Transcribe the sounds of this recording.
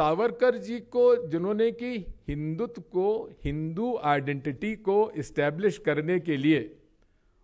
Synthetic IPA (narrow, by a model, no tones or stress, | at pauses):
aːʋəɾkəɾd͡ʒikod͡ʒɪnõːnekihɪ̃nd̪ʊt̪kohɪ̃nd̪uaːɪɖɛ̃ɳʈɪʈikoɪsʈɛːblɪʃkɐɾnekelieː